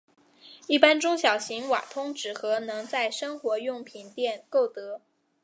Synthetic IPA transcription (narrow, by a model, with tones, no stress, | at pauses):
i˥˩pa˥nʈ͡ʂʊ˥ŋɕjɑ˨˩ʊɕi˧˥ŋwa̰˨˩t̪ʰʊ˥ŋʈ͡ʂɻ̩˨˩xɤ˧˥nɤ˧˥ŋt͡sa˥˩ɪʂɤ˥ŋxwɔ˧˥jʊ˥˩ŋpʰi˨˩nt̪jɛ˥˩nko˥˩ʊt̪ɤ˧˥